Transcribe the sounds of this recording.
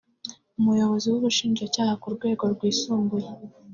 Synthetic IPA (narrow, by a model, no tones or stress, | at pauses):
umujo̞βo̞ziwuβuʃiːnd͡ʒacaːhakuɾɡwe̞ːɡo̞ɾɡwiːsuːŋɡuje